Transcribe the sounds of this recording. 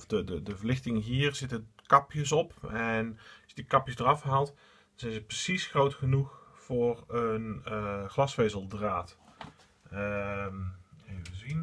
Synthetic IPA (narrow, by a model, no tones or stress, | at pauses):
ɔfdədədəvəlɪxtɪŋəɦiːrzɪtəkɑpjəsɔpʰɛnsdikɑpjəsdərɑfɦaːlˠt | dɑnzɛnzəprəsisxrowtxənuxfʊːrənxlɑsfejzəlˠdraːt | mevəzin